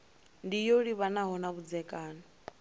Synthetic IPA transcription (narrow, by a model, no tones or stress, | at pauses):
ndijoɺiβanaɦɔnaβud͡zɛkʼaːnɔ